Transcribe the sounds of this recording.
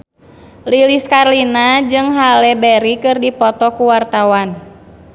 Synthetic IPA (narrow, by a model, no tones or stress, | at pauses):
liliskarlinad͡ʒɨŋɦalɛbɛɾikɨrdipɔt̪ɔkuwart̪awan